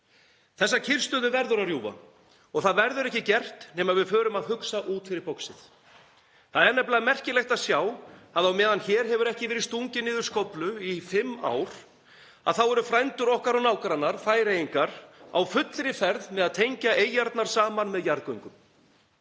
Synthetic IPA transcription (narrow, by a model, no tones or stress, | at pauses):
θɛsːacʰɪr̥st̪ʏðʏvɛɾðʏɾarjuːva̰ | ɔɣθaðvɛɾðʏɾɛhcɪcɛr̥t̪nɛːmaðvɪðfœːɾʏmaðhʏksaʔuːt̪fɪɾɪɾpɔwksɪ̰θ | θaðɛɾnɛplaðmɛr̥cɪlɛjht̪aðsjaːwaðawmɛːðançɛːɾ̥ɦɛvʏɾɛhcɪvɛːɾɪɾst̪uɲcɪnɪːðʏɾskowplʏifɪmːa̰ːwɾ̥ | a̰ðθawɛɾʏfɾajnt̪ʏɾɔhkaɾaɣnaːwkaɾanːaɾ̥faːjɾejiŋkaɾ̥a̰wfʏt̪lɾɪfɛɾðmɛðaðt̪ʰejɲcaʔeːjaɾt̪naɾ̥saːmanmɛðjaɾðkœɥŋkʏm